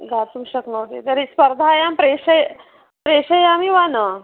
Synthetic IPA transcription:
ɡʱat̪umɕəknəwt̪et̪əɾispəɾd̪ʱajampɾeɕəj | pɾeɕəjamiʋanə

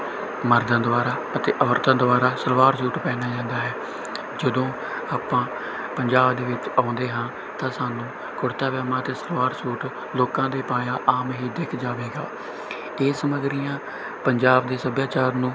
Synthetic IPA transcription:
məɾd̪ãnd̪ʊʋaːɾaːət̪ḛːʔəːəɾt̪əaːnd̪ʊʋaːɾaːsəɾʋaːɾsuːʈpɛːnaːd͡ʒãːnd̪aːɦɛː | d͡ʒəd̪õː | aːpãː | pəɲd͡ʒaːbd̪eːʋɪt͡ʃaːʊ̃nd̪eːɦãː | t̪ãːsaːnũː | kʊɽt̪aːʋaːmaːt̪eːsəɾʋaːɾsuːʈ | loːkãːd̪eːpaːjãːʔaːmɦiːd̪ekʰd͡ʒaːʋeːɡaː | eːsəməɡɾijãː | pəɲd͡ʒaːb̚d̪eːsəbjaːt͡ʃaːɾnũː

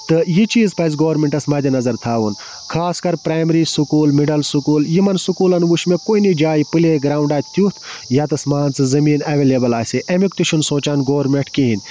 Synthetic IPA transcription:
t̪ɨjit͡ʃiːzpɐz̬ɡoːɾmeɳʈɐsmɐd̪ʲinɐzɐɾt̪ʰaːʋun | kʰaːskɐɾpɾaːmɾiːsukuːlmiɖɐlsukuːljimɐnsukuːlɐnʋuʃmekoːinid͡ʒaːjipɨleɡɾaːwɳɖaːt̪ʰt̪jut̪ʰjaːt̪ɐsmaːnt͡sɨzɐmiːnɐʋeːleːbɐlaːsiʔemikt̪uʃʰunsõːt͡ʃaːnɡoːɾmeɳʈkiɦin

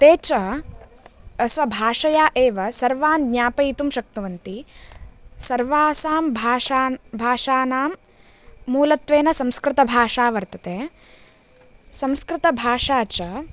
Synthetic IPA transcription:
t̪eːt͡ʃɐ | ɐsʋɐbʱaːʂɐjaːʔeːʋɐsɐɾʋaːnɡɲaːpɐjit̪umʃɐk̚t̪uʋɐnt̪i | sɐɾʋaːsaːmbʱaːʃaːbʱaːʂaːnaːmː | uːlɐt̪ʋeːnɐsɐmskɾɪt̪ɐbʱaːʂaːʋɐɾt̪ɐt̪eː | sɐmskɾɪt̪ɐbʱaːʂaːt͡ʃɐ

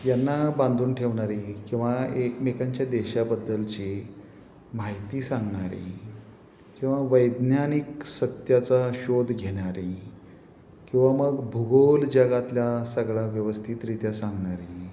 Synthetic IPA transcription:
janːabãnd̪uːnʈʰeʋɳaɾikĩw̃ʋaekmekaɲt͡ɕjad̪eɕabəd̪ːəlt͡ɕi | maɦjt̪iːsãŋɡɳaɾḭ | kĩw̃ʋaʋəjd̪njaniksət̪jat͡saɕod̪ʱɡʱeɽ̃aɾi | kĩw̃ʋaməɡbʱuɡold͡ʑaɡat̪ljasəɡɭaʋjəʋəst̪ʰit̪ɾit̪jasãŋɡɳaɾi

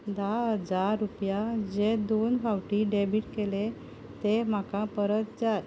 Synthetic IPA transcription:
d̪aɦəd͡zaɾːupjad͡ʑed̪onbʱawʈiɖebiʈkele | t̪em̤akãpəɾət̪̚d͡za

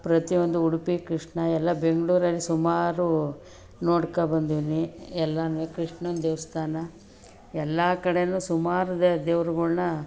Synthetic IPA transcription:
pɾɐt̪iʋond̪uuɽupikɾiʂɳɐɛlːɐbeŋɡɐɭuːɾɐlːisumaːɾu | noːɽkɐbɐnd̪iʋiniɛlːɐnʋekɾiʂɳɐnd̪eːʋɐst̪ʰaːnɐ | ɛlːɐkɐɽenuːsumaːɾud̪ɐd̪eːʋɾuɡuɭnɐ

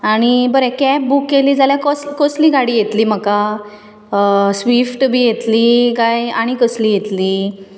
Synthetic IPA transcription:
aɽ̃ibəɾekɛp̚bukːeliːd͡zaljakɔskɔsliːɡaɽiːjet̪liːm̤əka | sʋifʈbʱiːjet̪likajaɽ̃ikəsliːjet̪liː

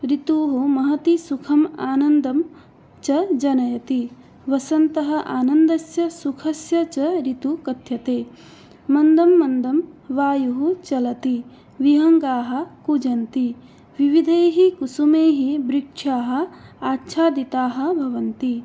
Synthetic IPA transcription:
ɾit̪uːɦumɐɦɐt̪isukʰɐmaːnɐnd̪ɐm | t͡ʃɐd͡ʒɐnɐjɐt̪i | ʋɐsɐnt̪ɐɦɐ̆ʔaːnɐnd̪ɐsjɐsukʰɐsjɐt͡ʃɐɾit̪ukɐt̪jɐt̪eː | mɐnd̪ɐmːɐnd̪ɐmʋaːjuɦut͡ʃɐlɐt̪i | ʋiɦɐŋɡaːɦɐ̆kud͡ʒɐnt̪i | ʋiʋid̪ʱeːɦikusumeːɦibɾikʂʰaːɦɐ̆aːtːʃʰaːd̪it̪aːɦɐ̆bʱɐʋɐnt̪i

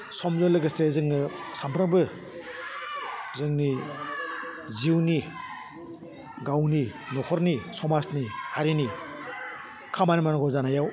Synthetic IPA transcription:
sɔmzɔlɯɡɯsezɯŋnɯsampʰɾɯŋbɯ | zɯŋni | ziwni | ɡawninɔkʰɔɾnisɔmasnihaɾini | kʰamanimanɔɡɔzanajaw

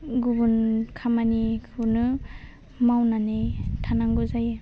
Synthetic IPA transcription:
ɡubunkʰamanikʰunɯ | mawnanejtʰanaŋɡuzaj

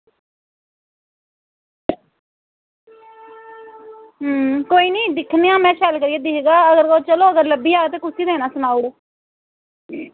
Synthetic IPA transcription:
koːiːnĩːd̪ɪkʰneːãːmɛ̃ːʃʰɛlkəɾiːeːd̪ɪkɡaːəɡəɾɡoːt͡ʃəloːəɡəɾləbiːaːɡt̪eːkʊsiːd̪ɛ̃ːnãːsʊnaːuɽ

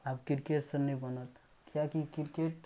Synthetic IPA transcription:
apkiɾkeʈsənəibənət̪ | kijakikiɾkeʈ

